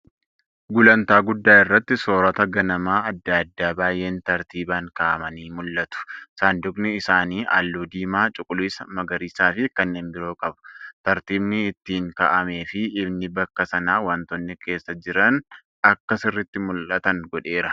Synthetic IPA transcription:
ɡʊlɐnt̪aːɡʊd̪ːaːɪrːɐt̪ːɪso̞ːɾɐt̪ɐɡɐnɐmaːɐd̪ːɐd̪ːaːbaːjːe̞ːnt̪ɐɾt̪iːbaːŋkɐʔɐmɐniːmʊlːɐt̪ʊ̥saːnd̪ʊknɪɪsaːniːʔa̰ːlːuːd̪iːmaːt͡ʃʼʊkʼʊliːsɐmɐɡɐɾiːsaːfɪkɐnːeːnbɪɾo̞ːkʼɐbʊ̥t̪ɐɾt̪iːbnɪːt̪ːiːŋkɐʔɐme̞ːfɪːbnɪbɐkːɐsɐnaːwɐnt̪ɔnːɪke̞ːsːɐd͡ʒɪɾɐn | ɐkːɐsɪrːɪt̪ːɪmʊlʔɐt̪ɐŋɡɔᶑe̞ːɾɐ

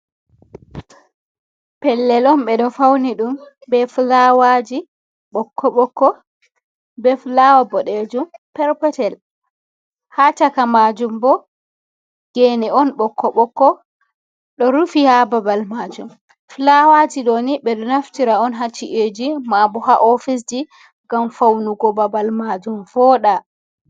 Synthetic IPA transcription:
pɛlːɛlɔnɓɛɗɔfawniɗumbɛflawad͡ʒi | ɓɔkːɔɓɔkːɔ | bɛflawabɔɗed͡ʒumpɛɾpɛtɛl | hat͡ʃakamad͡ʒumbɔ | ɡ̥enɛɔnɓɔkʰːɔɓɔkːɔ | ɗɔɾufihababalmad͡ʒum | flawad͡ʒiɗoniɓɛɗɔnaftiɾaɔnɦat͡ʃːiʔed͡ʒimabɔhaʔɔfis̬d͡ʒi | ɡamfawnuɡɔbabalmad͡ʒumfɔɗa

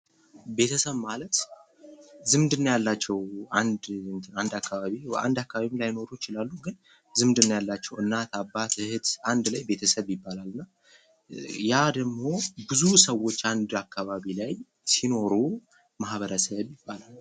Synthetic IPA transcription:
be̞t̪ʰəsəβmalət̪ | zɨmd̪ɨnːajalːat͡ʃːɛwand̪nt̪ʰand̪akːaβaβia̰nd̪akːaβaβilajːno̞ɾujɪt͡ʃɪlalːuɡɨn | zɨmd̪ɨnːajalːat͡ʃːɛwɨnːat̪ʰabːat̪ɨhɨt̪and̪lajbe̞t̪ʰəsəβjɪbːalalːɨnːa | jad̪əɡmo̞bɨzusəwːo̞t͡ʃːand̪akːaβaβilaj | sino̞ɾu | mahβəɾəsəβjɪbːalal

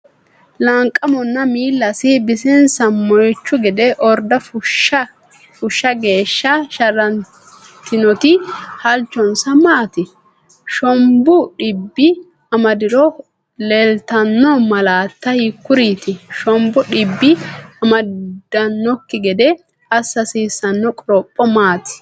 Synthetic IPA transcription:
lɐŋkʼːɐmɔnːɐmiːlːɐsɪbɪsɛnsɐmːɔjt͡ʃːʊɡɛd̪ɛʔɔɾd̪ɐfʊʃ | fʊʃːɐɡe̞ːʃːɐʃɐɾɐn | t̪ɪnɔt̪ɪhɐlt͡ʃːɔnsɐmaːt̪ɪ | ʃɔmbʊɗɪbːɪ | ɐmɐd̪ɪɾɔ | lɛlt̪ɐnːɔmɐlaːt̪ːɐhɪkːʊɾiːt̪ɪʃɔmbʊɗɪbːɪɐmɐd̪̥ɐnːɔkːɪɡɛd̪ɛ | ɐsːɐsiːsːɐnːɔkʼɾɔpʼːɔmaːt̪ɪ̥

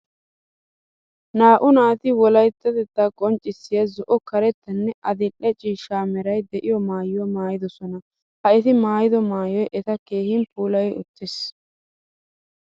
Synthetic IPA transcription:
naːʔʊnaːt̪ɪwɔlɐjt̪ːɐd̪ɛd̪ːɐkʼɔnt͡ʃʼːɪsːɪjɐzɔʔɔkɐɾɛt̪ːɐnːɛʔɐd̪ɪʔːɛt͡ʃʼiːʃaːmɛɾɐjd̪ɛʔɪjɔmaːjɪjɔmaːjɪd̪ɔsɔnɐ | hɐʔɛt̪ɪmaːjɪd̪ɔmaːjɔjʔɛt̪ɐke̞ːhɪnpʰuːlɐjʊ̰t̪ːɪs

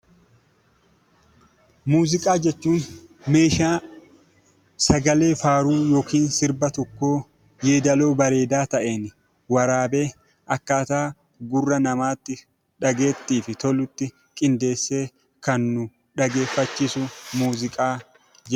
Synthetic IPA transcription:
muːzɪkʼaːd͡ʒɛt͡ʃːuːnme̞ːʃaː | sɐɡɐle̞ːfaːɾuːjo̞ːkiːnsɪɾbɐt̪ɔkːo̞ː | je̞ːd̪ɐlo̞ːbɐɾe̞ːd̪aːt̪ɐʔe̞ːnɪ | wɐɾaːbe̞ː | ʔɐkːaːt̪aː | ɡʊrːɐnɐmaːt̪ːɪ | ᶑɐɡe̞ːt̪ːiːfɪt̪ɔlʊt̪ːɪ | kʼɪnd̪e̞ːsːe̞ː | kɐnːʊ | ᶑɐɡe̞ːfːɐt͡ʃːiːsʊmuːzɪkʼaː | d͡ʒɛ

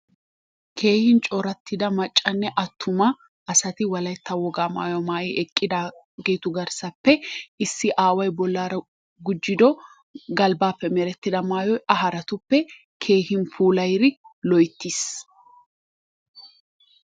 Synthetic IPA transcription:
kʰe̞ːhɪnt͡ʃʼɔɾɐt̪ːɪd̪ɐmɐt͡ʃʼːɐnːɛʔɐt̪ʰːʊmɐ | ʔɐsɐt̪ɪwɐlɐjt̪ːɐwɔɡaːma̰ːjɔmaːjiʔɛkʼːɪd̪aː | ɡeːt̪ʊɡɐɾsɐpːɛʔɪsːɪʔaːwɐjbɔlːaːɾɐ | ɡʊd͡ʒːɪd̪ɔ | ɡɐlbaːpːɛmɛɾɛt̪ːɪd̪ɐmaːjɔjʔɐɦɐɾɐt̪ʊpːɛ | kʰe̞ːhɪnpuːlɐjɾɪlɔjt̪ːis

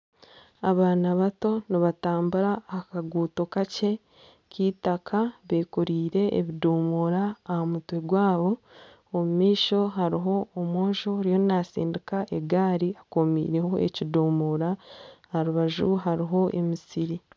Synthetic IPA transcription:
aβaːnaβato̞niβataːmbuɾaːkaɡuːto̞kace̞ | ciːtakʰaβe̞ːkuɾiːɾe̞̰ːβiduːmuːɾaːhamutwe̞ɡwaːβo̞ː | mumiːʃo̞ɦaɾiɦo̞ːmoːʒo̞ɾijo̞nasḭːndikaʔe̞ɡaːɾiakomḭːɾe̞ho̞ḛciduːmuɾahaɾuβaʒuɦaɾiɦo̞ʔe̞̰misiɾi

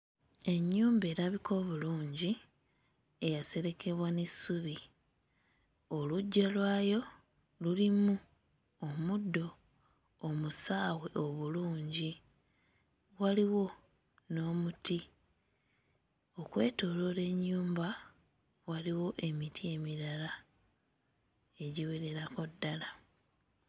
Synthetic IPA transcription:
e̞ɲːuːmbe̞ːɾaβikʰo̞ːβuluːɲɟi | e̞jase̞ɾe̞kʰe̞βwanesuβi | o̞luɟːalwaːjo̞ | lulimu | omudːo̞ː | musaːwe̞ʔo̞βuluːɲɟi | waliwo̞ | no̞ːmuti | o̞kwe̞ːto̞lo̞le̞ɲːuːmba | waliwo̞ʔe̞mitʰie̞miɾala | e̞ɟiweɾe̞ɾako̞dːala

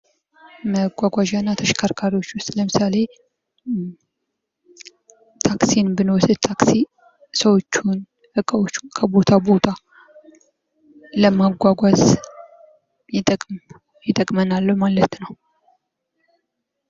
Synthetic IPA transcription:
məɡʷaɡʷaʒanːat̪ʰəʃkʰaɾkʰaɾiwo̞t͡ʃːwʊst̪ʼləmɨsale̞ | t̪ʰaksinbɨnosɨt̪ʰaksi | səwo̞t͡ʃːun | hɨkʼəwo̞t͡ʃːukʰəbo̞t̪ʰabo̞t̪ʰa | ləmaɡʷaɡʷaz | jɪt̪ʼəkʼm | jɪt̪ʼəkʼmənalːəhmalət̪nəw

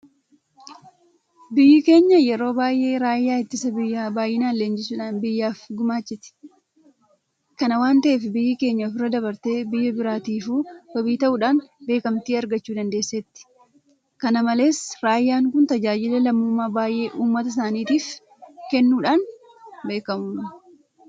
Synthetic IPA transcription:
bɪjːɪke̞ːɲːɐjɛɾo̞ːbaːjʔe̞ːɾaːjːaːɪt̪ːɪsɐbɪjːaːbaːjɪnaːleːnd͡ʒɪsuːᶑaːnbɪjːaːfɡʊmaːt͡ʃːɪt̪ɪ̥ | kɐnɐwaːnt̪ɐʔeːfɪbɪjːɪke̞ːɲːɐfɪrːɐd̪ɐbɐɾt̪e̞ːbɪjːɐbɪɾaːt̪iːfu̥ːɐbiːt̪ɐʔʊːᶑaːnbe̞ːkɐmt̪iːɐɾɡɐt͡ʃːuːd̪ɐnd̪e̞ːsːɛt̪ːɪ̥ | kɐnɐmɐle̞ːsɾaːjːaːŋkʊnt̪ɐd͡ʒaːd͡ʒɪlɛlɐmːuːmːaːbaːjʔe̞ːʔuːmːɐt̪ɐs̬aːniːt̪iːf | kɛnːuːᶑaːn | be̞ːkɐmʊn

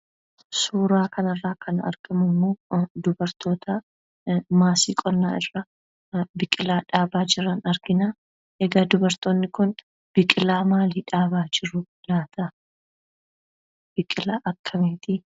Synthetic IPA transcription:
suːɾaːkʰɐnɐrːaːkʰɐnɐ̰ɾɡɐmɐmːoːd̪ʊbɐɾt̪o̞ːt̪ɐ | maːsḭːkʼɔnːa̰ːɪrːɐ | bɪkʼɪlaːᶑaːbaːd͡ʒɪɾɐnɐɾɡɪnaː | ʔɛɡaːd̪ʊbɐɾt̪oːnːɪkʊn | b̥ɪkʼɪlaːmaːliːᶑaːbaːd͡ʒɪɾːʊ | laːt̪ɐ | b̥ɪkʼɪlaːʔɐkʰːɐmeːt̪iː

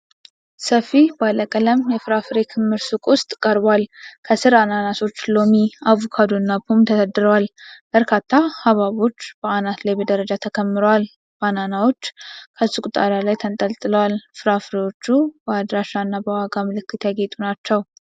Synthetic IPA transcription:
səfibaləkʼələmjɛfɨɾafɾe̞kʰɨmːɨɾsukʼwʊst̪ʼkʼəɾbwalkʰəsɨɾananaso̞t͡ʃːlo̞miavokʰad̪onːabpʰumt̪ʰəd̪əd̪ɨɾəwalb̥əɾkʰat̪ʰːahaβaβo̞t͡ʃːb̥əanat̪lajbəd̪əɾəd͡ʒat̪ʰəkʰəmːɨɾowal | b̥ananawo̞t͡ʃːkʰəsɨkʼut̪ʼaɾalajt̪ʰənt̪ʼəlt̪ʼɨləwalfɨɾafɾe̞wo̞t͡ʃːubəad̪ɾaʃanːabəwaɡamɨlɨkːɨt̪ʰjaɡet̪ʼunat͡ʃːɛw

